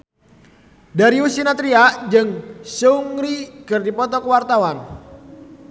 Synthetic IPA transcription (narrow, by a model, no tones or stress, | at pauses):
daɾiusinat̪ɾiaʔd͡ʒɨŋsuŋɾikɨrdipɔt̪ɔkəwart̪awan